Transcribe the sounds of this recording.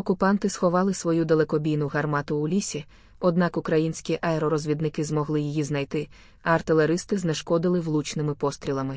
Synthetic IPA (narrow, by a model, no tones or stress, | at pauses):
ɔkʊpɑnt̪ɪsxɔʋɑlˠɪsʋɔjud̪elˠekɔbʲijnʊɦɐrmɑt̪ʊːlʲisʲi | ɔd̪nɑkʊkɾɐjinʲsʲkʲiʔɐeɾɔɾɔzʲʋʲid̪nɪkɪzmɔɦlˠɪjijiznɐjt̪ɪ | ɐɐrt̪ɪlˠeɾɪst̪ɪznɛʃkɔd̪ɪlˠɪʋlˠut͡ʃnɪmɪpɔst̪ɾʲilˠɐmɪ